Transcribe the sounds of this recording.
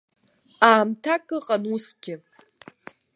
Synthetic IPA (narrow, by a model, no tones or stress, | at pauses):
aːmtʰakʼɨqʼanusɡʲɪ